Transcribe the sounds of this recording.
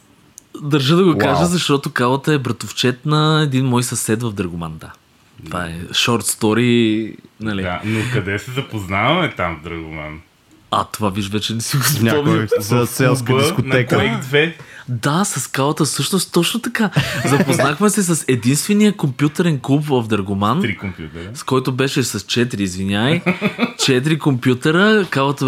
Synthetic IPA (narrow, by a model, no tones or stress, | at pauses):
d̪ɐɾʒəd̪ɐɡokaʒəzɐʃt̪ɔt̪okalˠət̪əɛbɾɐt̪oft͡ʃɛt̪nɐɛd̪inmɔjsɐsɛt̪vɐvd̪ɾɐɡoma̰nd̪a̰ | t̪ova̰ɛ̰ʃɔɾt̪st̪ɔɾi | nɐlianokkɐd̪ɛsɛzɐpoznavɐmɛt̪amvd̪ɾɐɡoma̰n | ɐ̰t̪ovaviʃvɛt͡ʃɛnɛsiɡosɲʲaɔvizɐsɛlˠsb̪skonɛkɛd̪vɛd̪asɐskalˠət̪əfsɤʃnost̪t̪ːɔt͡ʃnot̪ɐkazɐpoznaxmɛsɛs̬ɐsɛd̪inst̪vɛnijəkompjut̪ɛɾɛnklˠupvəfd̪ɾəɡomanɾikompjut̪ɛɾskɔjt̪obɛʃɛsɐst͡ʃɛt̪ɾiːzvinʲajt͡ʃɛt̪̬ɾikompjut̪ɛɾəkalˠət̪ə